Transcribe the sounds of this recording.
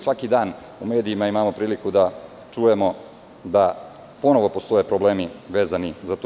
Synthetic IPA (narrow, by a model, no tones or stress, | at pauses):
sʋakid̪aːn | ume̞ːd̪ijimaimamo̞pɾiːlikud̪a | t͡ʂujemo̞ | d̪a | po̞no̞ʋo̞post̪o̞jepɾobleːmiʋe̞ːzanizat̪